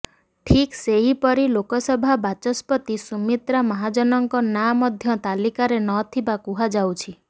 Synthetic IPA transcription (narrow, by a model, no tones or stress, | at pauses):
ʈʰikseɦipɔɾilokɔsɔbʱabat͡ʃɔspɔt̪isumit̪ɾamɔɦad͡ʒɔnɔŋkɔnamɔd̪ʱjɔt̪alikaɾenɔt̪ʰibakuɦad͡ʒawt͡ʃʰi